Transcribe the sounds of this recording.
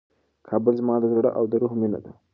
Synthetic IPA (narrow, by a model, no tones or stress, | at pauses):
kʰɑbəlzmɑd̪əzaɽaʔawd̪əɾuhmina̰d̪a